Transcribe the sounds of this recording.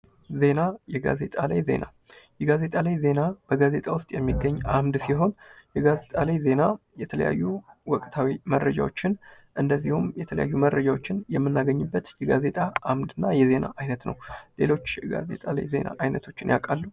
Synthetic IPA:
ze̞najɛɡa̰ze̞t̪ʼala̰jze̞̰na | jɛɡaze̞t̪ʼalajze̞nab̥əɡaze̞t̪ʼawʊst̪ʼjɛmːiɡːəɲːʔamd̪siɦo̞njɛɡaze̞t̪ʼalajze̞na | jɛt̪ʰələ̰ja̰jːuwɔkʼt̪ʰawiməɾːəd͡ʒa̰wo̞̰t͡ʃːɪn | ʔɨnd̪əzːihumjɛt̪ʰələja̰jːuməɾːəd͡ʒawo̞t͡ʃːɪnjɛmːɨnːaɡəɲːɨbːət̪jɛɡaze̞t̪ʼaamd̪ɨnːajɛze̞na̰ʔajnət̪nə̰wle̞̰lo̞t͡ʃːjɛɡa̰ze̞̰t̪ʼala̰jze̞̰na̰ʔajnət̪ʰo̞t͡ʃːɪnjakʼalːu

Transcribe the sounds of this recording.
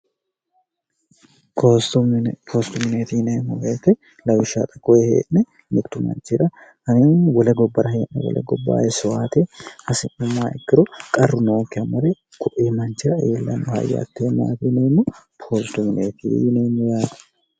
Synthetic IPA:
ost̪ʊpʰoːst̪ʊmɪneːt̪ineːmːɔbeːt̪ːɛ | lɐwɪʃa̰ːt̪ʼɐkːɔɛhḛːʔnɛ | mɪt̪ːʊmɐ̰nt͡ʃːɪᶑɐ | hɐninwɔlɛɡɔbːɐɾɐɦeːʔnɛ̰wɔ̰lʔɛ̰ɡɔbːa̰ːɛsʊwaːt̪ehɐsɪnʊmːaːɛkːɪɾɔkʼɐrːʊnoːkːɪɐmɐɾɛ | kʰʊʔeːmɐnt͡ʃɪᶑɐeːlːɐ̰nːʊhɐ̰jːɐ̰t̪ːeːna̰ːt̪ineːmːʊpʰoːst̪ʊmɪneːt̪ḭneːmːʊjaːt̪ɛ̥

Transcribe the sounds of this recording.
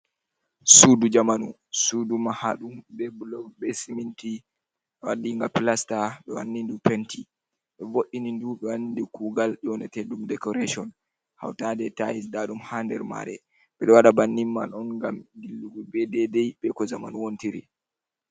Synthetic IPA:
sudud͡ʒamanu | sudumahaɗumbɛbulɔbɛsiminti | ɗɔwadiŋɡampilastaɓɛwa̰nːindupɛnti | ɓɛvoɗːininduɓɛwanindikuːɡalʔɔnɛtɛɗumdɛkɔɾeʃɔn | ha̰wtadɛtajisdaɗumhandɛ̰ɾma̰ɾɛ̰ | ɓɛɗɔwaɗabanːimːa̰nɔnŋɡamdilːuɡubɛdɛdɛjbɛkɔd͡ʒamanuwontiɾḭ

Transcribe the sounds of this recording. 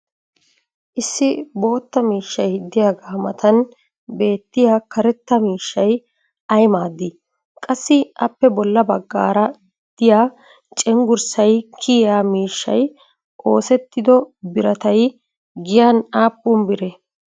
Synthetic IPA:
ʔɪsːɪbo̞ːt̪ːɐmiːʃːɐjd̪ːɪjaːɡaːmɐt̪ɐn | be̞ːt̪ːɪjaːkɐɾɛt̪ːɐmiːʃːɐj | ɐjmaːd̪ɪ | kʼɐsːɪʔɐpːɛbɔlːɐbɐɡːa̰ːɾɐ | d̪̥ɪjaː | t͡ʃʼɛŋɡʊɾsɐjkʰɪjaːmiːʃːɐ̰j | ʔo̞ːsɛt̪ːɪd̪ɔbɪɾɐt̪ɐj | ɡɪjaːnaːpːʊmbɪɾɛ

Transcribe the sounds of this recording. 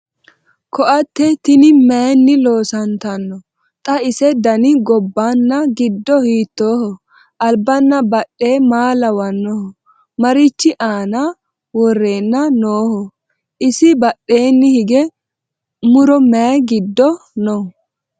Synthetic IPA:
kɔʔɐt̪ːɛt̪ɪnɪmɛnːɪlo̞ːsɐnt̪ɐnːɔ | t̪ʼɐɪsɛd̪ɐnɪɡɔbːanːɐɡɪd̪ːɔhiːt̪ːoːhɔ | ʔɐlbɐnːɐbɐɗːe̞ːmaːlɐwɐnːɔhɔ | mɐɾɪt͡ʃːɪʔaːna | wɔrːeːnːɐnoːhɔ | ʔɪsɪbɐɗe̞ːnːɪhɪɡɛ | mʊɾɔmɛɡɪd̪ːɔnɔ

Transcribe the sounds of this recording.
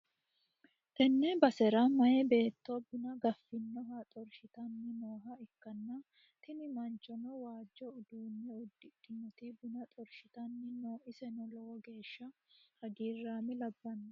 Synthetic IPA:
t̪ɛnːɛbɐsɛɾɐmɐjɛbe̞ːt̪ːobɪnɐɡɐfːɪnːɔɦɐt̪ʼɔɾʃɪt̪ɐnːɪnoːɦɐɪkːɐnːɐ | t̪ɪnɪmɐnt͡ʃʼːɔnɔwaːd͡ʒːɔʊd̪uːnːɛʊd̪ːɪᶑʼɪnːɔt̪ɪbɪnɐt̪ʼɔɾʃɪt̪ɐnːɪnoːʔɪsɛnɔlɔwɔɡe̞ːʃːɐhɐɡiːrːaːmɪlɐbːɐnːɐ

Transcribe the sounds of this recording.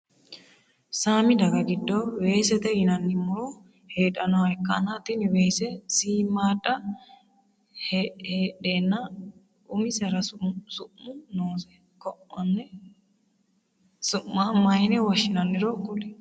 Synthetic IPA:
saːmɪd̪ɐɡɐɡɪd̪ːowe̞ːsɛt̪ɛjɪnɐnːɪmʊɾo | heːᶑɐnɔɐɛkːɐːnat̪inweːsɛsiːmaːᶑɐ | hheːᶑeːnːɐ | ʊmɪsɐɾɐssʊʔːʊnoːsɛ̥ | kɔʔɔnːɛ | sʊʔːamɐjɪnɛwɐʃɪnɐnːɪɾokʼːʊlɪ

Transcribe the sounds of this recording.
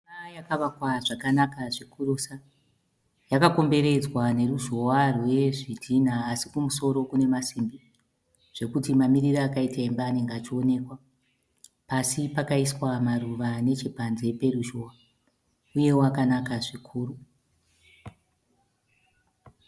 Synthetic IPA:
ajakaʋakwaʐakanakaʐikurusa | jakako̞mbe̞ɾe̞d͡zwane̞ruʒo̞warwe̞ʐidʱinaːsikumuso̞ɾo̞kune̞masimbi | ʐ̥e̞kutimamiɾiraːkaitaembaːne̞ŋɡeat͡ʃio̞ne̞kwa | pasipakaiswamaruʋane̞t͡ʃepanze̞pe̞ruʒowa | uje̞wakanakaʐikʰuːɾu

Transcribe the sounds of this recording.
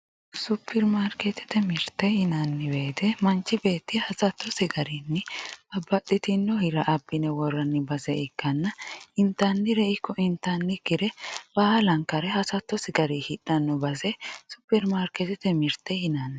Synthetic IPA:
sʊpʰːɛɾmaːɾket̪ɪ̥t̪ɛmɪɾt̪ːɛhɪnɐnːɪbeːt̪ɛmɐnt͡ʃːɪbe̞ːt̪ːɪhɐsɐt̪ʰːɔsɪɡɐɾinːɪɐbːɐtːɪt̪ɪnːɔhɪɾɐʔɐbːɪnɛwɔrːɐnːɪbɐzɛɪkːɐnːɐɪnt̪ːɐnːɪɾɛɪkːɔʔɪnt̪ːɐnːɪkːɪd̪ɛbaːhɐlɐŋkːɐɾɛhɐsɐt̪ːɔsɪɡɐɾihɪᶑɐnːɔbɐsɛsʊpːɛɾmaːɾkɛt̪ɪt̪ɛmɪɾt̪ːɛhɪnanːɪ

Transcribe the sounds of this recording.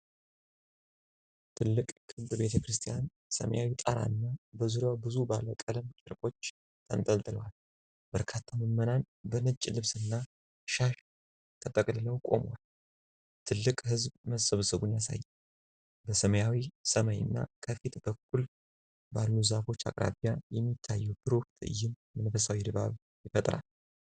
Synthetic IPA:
t̪ʰɨlːɨkʼkʰɨt̪ʼbe̞t̪ʰəkɾɨst̪ʰʼijan | sə̰məjawit̪ʼəɾa̰ɨnːabəzuɾjawbɨzubaləkʼələmt͡ʃʼɪɾkʼo̞t͡ʃː | t̪ʰənt̪ʼəlt̪ʼɨləwal | b̥əɾkʰat̪ʰːaməmːənan | bənɨt͡ʃʼːlɨβsɨnːa | ʃaʃ | t̪ʰət̪ʼəkʼlɨləwkʼo̞̰mwal | t̪ʰɨlːɨkʼhɨzbməsəβsɨβunjasa̰jːɛm | bəsəməjawisəməɲɨ̰nːa̰kʰəfit̪bəkʰːul | balːuzafo̞t͡ʃːa̰kʼɾʔa̰βijajɛmːit̪ʰːajːɛbɨɾft̪ʼɨ̰jɪn | mənfəsawid̪ɨβa̰β | jɪfət̪ʼɾa̰l

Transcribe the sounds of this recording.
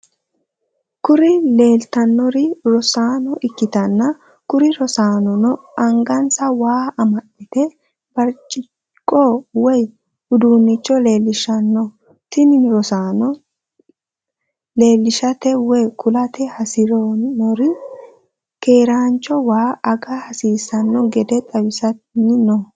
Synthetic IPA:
kʊɾɪle̞ːlt̪ɐnːɔɾɪɾɔsaːnɔʔɪkːɪt̪ɐnːɐ | kʊɾɪɾɔsaːnɔnɔɐŋɡɐnsɐwaːɐmɐɗːɪt̪ɛ | b̥ɐɾt͡ʃʼːɪ | kʼːɔwɔj | hʊd̪uːnːɪt͡ʃːɔle̞ːlːɪʃɐnːɔ | t̪ɪnɪnɾɔsaːnɔ | le̞ːlːɪʃɐt̪ɛwɔjkʊlɐt̪ɛhɐsɪɾɔɔɾɪ | ke̞ːɾaːnt͡ʃːɔwaːɐɡɐhɐsiːsɐnːɔɡɛd̪ɛt̪ʼɐwɪsɐnɪnɔ

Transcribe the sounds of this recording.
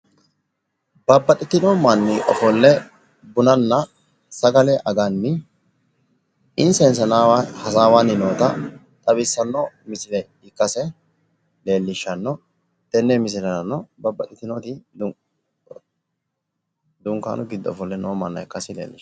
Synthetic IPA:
bɐbːɐɗɪt̪ɪnɔmɐnːɪʔɔ̰fɔlːɛ | bʊnɐnːɐ | sɐɡɐlɛʔɐɡɐnːɪ | ɪnsɛns̬ɐnaːahɐsaːwanːɪnoːt̪ɐ | t̪ʼɐbɪsːɐnːɔmɪsɪlɛ | ɪkːɐsɛ | le̞ːlːɪʃːɐnːɔ | t̪ɛnːemɪs̬ɪlɐnːɔbɐbːɐɗɪt̪ɪnot̪ɪ | d̪ʊŋkːa̰ːnʔʊɡɪd̪ːɔɔ̰fɔlːɛnoːmːɐnːɐɪkːɐsɪlḛːlːɪʃ

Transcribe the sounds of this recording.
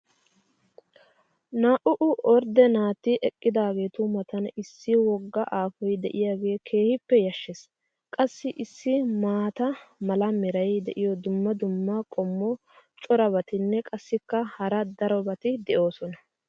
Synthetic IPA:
naːʔʊʔʊʔɔɾd̪ɛnaːt̪ːɪʔɛkʼːɪd̪aːɡe̞ːt̪ʊmɐt̪ɐnɪsːɪwɔɡːɐʔaːfɔjd̪ɛʔɪjaːɡe̞ːkʰe̞ːhɪpːɛjɐʃːes | kʼɐsːɪʔɪsːɪmaːt̪ɐmɐlɐmɛɾɐjd̪ɛʔɪjɔd̪ʊmːɐd̪ʊmːɐkʼɔmːɔ | t͡ʃʼɔɾɐbɐt̪ɪnːɛkʼɐsːɪkːɐhɐɾɐd̪ɐɾɔbɐt̪ɪd̪ɛʔo̞ːsɔnɐ

